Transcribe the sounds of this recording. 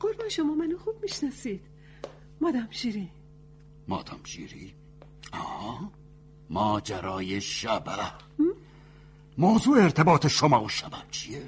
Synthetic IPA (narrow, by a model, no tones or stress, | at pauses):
ɢoɾbæʃomɒːmænoxuːb̥̚miʃnɒsiːd̪̥ | mɒːd̪æmʃiːɾi | mɒːd̪ʰæmʃḭːɾi | ɒːhɑ | mɒːd͡ʒæɾɒːjeʃæbææh | moːzuːeːɾt̪ʰebɒːt̪ʰeʃomɒːoʃæbænt͡ʃʰie